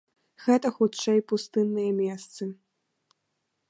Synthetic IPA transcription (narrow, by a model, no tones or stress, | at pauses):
ɣɛt̪ɐxut͡ʂɛjpust̪ɨnːɨjɛmʲɛst̪sɨ